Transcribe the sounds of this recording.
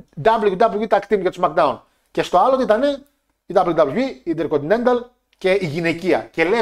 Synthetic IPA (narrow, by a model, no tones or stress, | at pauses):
d̪ɐblujud̪ɐbluvit̪ɐkt̪imket̪ozmɐɾk̚d̪ɐun | cest̪o̞ɐlot̪it̪ɐne | id̪ɐbluud̪ɐbluiid̪eɾkot̪inend̪ɐl | ce̞iʝine̞ciɐ̰ce̞le